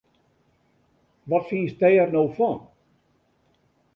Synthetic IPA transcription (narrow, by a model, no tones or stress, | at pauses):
ʋɔtfiːstɛjərnowfɔn